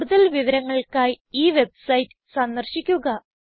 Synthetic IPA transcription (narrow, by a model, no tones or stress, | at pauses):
ɽuðɐlʋiʋɐɾɐŋːɐɭkaːj | iːʋe̞bsɐjtːɨ̥sɐnd̪ɐrɕikʲːuɣɐ